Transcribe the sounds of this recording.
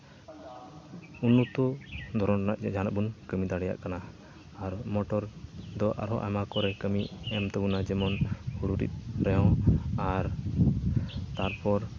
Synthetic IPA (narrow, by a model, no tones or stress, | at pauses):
unːut̪ud̪ʱɔɾɔnaʔd͡ʒanaʔbunkəmid̪aɽɛja̰ʔkanaː | ɾmɔʈɔɾd̪ɔʔa̰ɾɦɔʔa̰makɔɾɛkəmiɛmt̪ɛbunad͡ʒɛmɔnhuɽuɾḭt̪̚ˀɾɛjɔ̃aɾ | t̪aɾpɔɾ